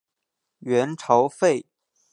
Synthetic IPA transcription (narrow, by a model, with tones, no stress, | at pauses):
ɥɛ˧˥nʈ͡ʂʰɑ˧˥ʊfe˥˩ɪ